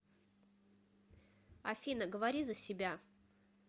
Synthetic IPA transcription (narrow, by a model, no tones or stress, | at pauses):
ɐfʲinəɡəvɐɾʲizəsʲɪbʲa